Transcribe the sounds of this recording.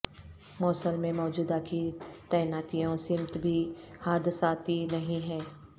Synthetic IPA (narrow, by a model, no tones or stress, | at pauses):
mɔːsəlmẽmɔːd͡ʒuːd̪akit̪ɛːnaːt̪ijõsɪmt̪bʱihaːd̪ɪsaːt̪inɐɦĩɦɛː